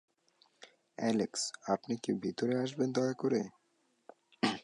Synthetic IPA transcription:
ɛleksapnikebʱit̪oɾeaʃ̬bend̪ɔjkoɾe

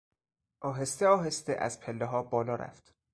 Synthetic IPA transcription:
ʔɒːɦest̪eɒːɦe̞st̪eʔæ̰z̥pʰelːeɦɒːbɒːlɒːɾʔæ̰ft̪

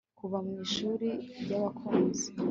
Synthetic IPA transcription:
kuβamŋiːʃuːɾiɾɟaβakʰoːnzi̥

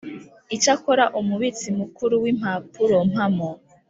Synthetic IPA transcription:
it͡ʃakoɾaʔumuβit͡simukuɾuwim̥hapuɾom̥hamo

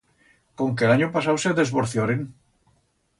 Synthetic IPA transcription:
koŋk̬elaɲopasawseðe̞zβoɾθjoɾeŋ

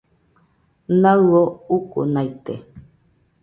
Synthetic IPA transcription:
naouko̰najt̪ḛ

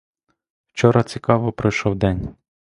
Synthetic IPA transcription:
wt͡ʃɔɾɐt͡sʲikɑʋɔpɾɔjʃɔwd̪ɛnʲ

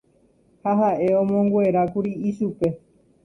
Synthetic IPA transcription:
haɦaʔe̞õmõŋɡʷe̞ɾakuɾiiʃupe̞

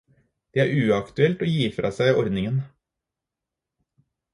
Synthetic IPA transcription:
d̪̥eːæːɾʉːɑkt̪ʉɛlt̪oːjiːfɾɑ̰ːsæɪɔɾd̪nɪŋən

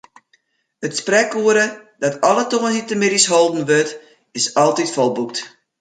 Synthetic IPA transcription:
ətsprɛkuəɾədɔtʰɔlˠətoːənhitəmɪdisholˠdn̩ʋøt | ɪsɔlˠtitfɔlˠbuk̚t

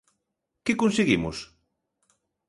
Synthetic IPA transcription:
kɪkonseɣimʊs

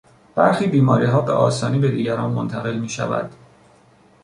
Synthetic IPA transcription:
b̥æɾxiːbiːmɒːɾḭːɦɒːbe̞̰ʔɒ̰ːsɒːniːbe̞d̪iːɟæɾɒːnmont̪ʰæɣe̞lmiːʃæ̰væ̰d̪̥

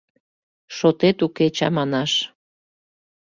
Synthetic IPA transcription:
ʃot̪et̪uket͡ɕɑ̰mɑnɑʃ

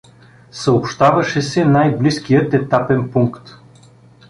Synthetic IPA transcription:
səopʃt̪avɐʃɛsɛnajblisk̟ijət̪ɛt̪apɛnpuŋkt̪

